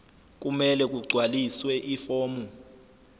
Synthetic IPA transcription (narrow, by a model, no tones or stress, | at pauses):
k̬ʼumɛlɛk̬ʼuɡ͡ǀʱwaliswɛʔifoːmu